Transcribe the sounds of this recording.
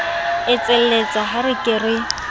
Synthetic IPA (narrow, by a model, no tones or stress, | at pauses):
ɪt͡sʼɪl̩et͡sʼaɦaɾɪkʼɪrɪ